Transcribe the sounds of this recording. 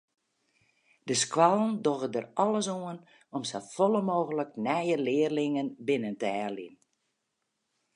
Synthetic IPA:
d̥əskwalˠndoɣədərɔlˠəsoən | ɔmsafɔlˠəmoːɣələknɛjəlɪːərlɪŋənbɪnəntəɛrlin

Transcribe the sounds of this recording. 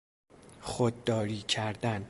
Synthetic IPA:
xod̪ːɒːɾiːcʰæɾd̪æn

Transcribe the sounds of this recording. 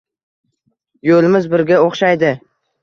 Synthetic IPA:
jolɪmɪzbɪɾɡʲaoχʃajd̪ɪ

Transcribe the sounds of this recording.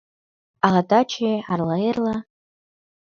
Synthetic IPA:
aʁadat͡ʃʰejarlarla

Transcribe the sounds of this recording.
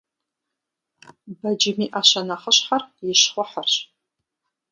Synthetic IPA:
bad͡ʒɪmiʔaʃanaχəʃħarjɪʃχʷʊħarʃ

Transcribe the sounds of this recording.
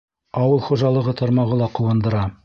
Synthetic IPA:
ɑwɤlˠχuʒɑlˠɤ̆ʁɤt̪ʰɑɾmɑʁɤlˠɑquwɤ̆nd̪ɤ̆ɾɑ

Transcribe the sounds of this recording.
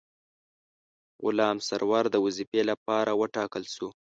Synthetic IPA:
ʊ̰lɑmsaɾwɑɾd̪əwuzipelapɑɾʔawəʈɑkəlʃu

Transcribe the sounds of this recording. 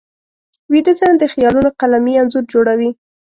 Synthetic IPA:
wid̪əzand̪əxjɑlunoqalamianzuɾd͡ʒoɽawi

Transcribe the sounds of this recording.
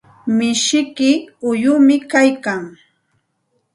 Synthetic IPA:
mɪʃɪkɪʊjʊmɪkajkaŋ

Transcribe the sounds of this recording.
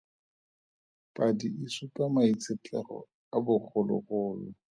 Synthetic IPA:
pʼadiisʊkʼamait͡sʰɪt͡ɬʼɛrɔ̰ | abʊk͡xʰʊlɔ̰χʊːlɔ

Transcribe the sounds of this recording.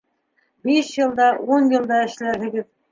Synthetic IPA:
biʃjɤ̆lˠd̪ɑʔunjɤ̆lˠd̪ɑɘ̆ʃlæɾɦɘ̆ɡɘð

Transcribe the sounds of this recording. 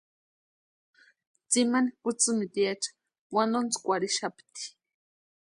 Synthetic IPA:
t͡simanikʊt͡sɨmit̪ijat͡ʃḁ | wand̪ont͡skʷaɾiʃapt̪i̥

